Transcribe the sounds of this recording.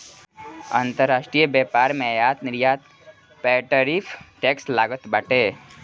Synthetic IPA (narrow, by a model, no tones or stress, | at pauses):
ãnt̪əɾːaʃʈɾijəbepaːɾmɛ̃jaːt̪nɪɾjaːt̪ | pɛʈəɾifʰʈekslaːɡət̪baʈe